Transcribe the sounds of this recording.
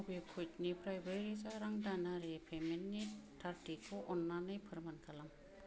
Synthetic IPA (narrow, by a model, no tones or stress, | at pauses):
bekʰujt̚nipʰɾajbeɾisaɾaŋdanaɾepʰemenːitʰaɾtikʰːoʔɔnːanːɯjpʰɯɾmankʰalam